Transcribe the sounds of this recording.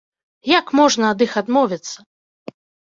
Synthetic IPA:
jakmɔʐnɐːd̪ɨxad̪mɔvʲit̪sːɐ

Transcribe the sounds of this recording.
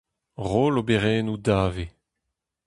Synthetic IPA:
ʁoːlobeʁɛːnudaːve

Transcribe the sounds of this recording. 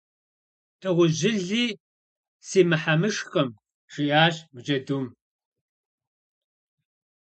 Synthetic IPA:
tʼɨʁʷʊʑɪɮiː | siːmɨħamɨʂxɐm | ʂiʔaːɕmɨd͡ʒɐduːm

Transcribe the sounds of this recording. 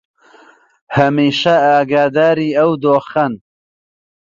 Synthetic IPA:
hɐmiːʃɐaːɡaːd̪aːɾiːɐwd̪oːxɐn

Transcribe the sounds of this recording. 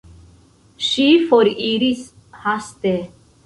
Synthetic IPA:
ʃifoɾiɾis | hast̪e

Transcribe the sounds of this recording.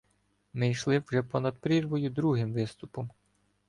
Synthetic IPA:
mɪjʃlˠɪwʒɛpɔnɐd̪̚pɾʲirʋɔjʊd̪ɾuɦɪmʋɪst̪ʊpɔm

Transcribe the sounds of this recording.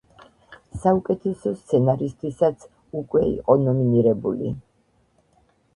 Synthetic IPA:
saukʼɛt̪ʰɛsɔst̪sʰɛnaɾist̪ʰwisat̪sʰ | ukʼwɛḭqʼɔnɔminiɾɛbulḭ

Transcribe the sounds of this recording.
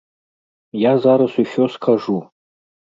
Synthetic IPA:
jazaɾasʷifoskʰaʐu

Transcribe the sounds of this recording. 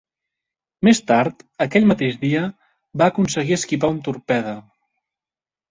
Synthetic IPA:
mest̪aɾt̪əkɛʎmət̪eʒðiə | βaːkunsəɣiəskip̬aunt̪uɾpɛðə

